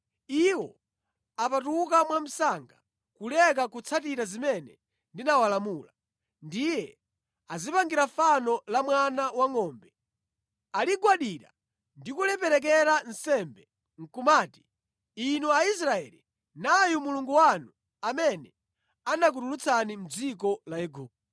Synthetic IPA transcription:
iwɔ | apatuk̬amwam̩saŋɡa | kulɛk̬akut͡sʰatiɾazimɛnɛ | ndinawalamuːla | ndijɛ | azipaŋɡiɾafanɔlamwanawaŋɔːmbɛ | aliɡwaɗiɾa̰ | ndikulɛpɛɾɛk̬ɛɾan̩sɛmbɛ | ŋ̩kumaːti̥ː | nuais̬ɾaɛ̰li | najumuluŋɡuwanu | amɛnɛ | anak̬uɾulut͡sʰanim̩d͡zik̬ɔlajɛɡuːp̚ɔ

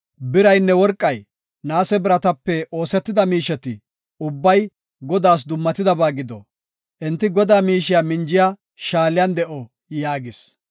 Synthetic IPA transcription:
bɪɾɐjnːɛwɔɾkʼːɐj | naːsɛbɪɾɐt̪ɐpːɛo̞ːsɛt̪ːɪd̪ɐmiːʃɛt̪ɪ | ʊbːɐj | ɡɔd̪aːs̬d̪ʊmːɐt̪ɪd̪ɐbaːɡɪd̪ɔ̰ | ʔɛnt̪ːɪɡɔd̪aːmiːʃɪjamɪnd͡ʒɪja | ʃaːlɪjand̪ɛʔɔ | jaːɡɪs

